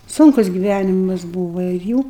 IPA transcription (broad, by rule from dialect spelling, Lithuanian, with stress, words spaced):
ˈsʊŋkʊs ɡʲɪˈʋʲænʲɪmɐs ˈbuːʋɐ ɪr ˈjuː